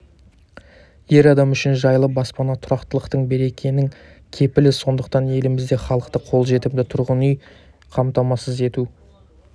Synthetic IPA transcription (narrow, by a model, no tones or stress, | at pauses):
je̞ɾɑd̪ɑmʏʃɪnʒɑjlˠəp̚bɑspɑnɑt̪ʰʊɾɑqt̪əlˠəqt̪əɴbe̞ɾe̞kʲʰe̞nɪŋ | kʲʰe̞pɪlɪso̞nd̪əqt̪ɑnje̞lɪmɪzd̪e̞χɑlˠəqt̪əqʰo̞lˠʒe̞t̪ɪp̚d̪ɪt̪ʰʊɾʁənyj | qʰɑmt̪ɑmɑsəze̞t̪u